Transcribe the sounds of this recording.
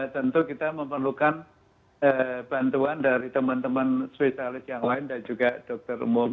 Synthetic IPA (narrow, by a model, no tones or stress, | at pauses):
t̪ənt̪ukit̪aməmpərlukan | əb̥ant̪uandaɾit̪əmant̪əmanspesialɪsjaŋlaɪndand͡ʒuɡad̥ɔk̚t̪ərṵmʊm